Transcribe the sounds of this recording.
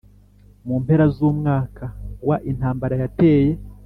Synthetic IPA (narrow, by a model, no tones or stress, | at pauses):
muːmpe̞ɾazuːmŋaːkawaʔin̥haːmbaɾajate̞ːje